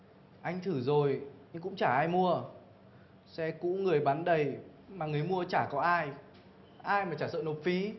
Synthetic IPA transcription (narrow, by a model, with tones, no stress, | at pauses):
ʔa˧jŋ̟t̪ʰɨ˧˩zo˨˩jɲɨ˧ŋkʊ̰˧˥ŋ͡mt͡ɕaː˧˩ʔaː˧jmu˧ə | sɛ˧kṵ˧˥ŋɨ˨˩əjɓaː˨˦nɗə˨˩j | maː˨˩ŋɨ˨˩əjmu˧ət͡ɕaː˧˩kɔ˨˦ʔaː˧j | ʔaː˧jmaː˨˩t͡ɕaː˧˩sə̰˧˨no˨˩t̚fi˨˦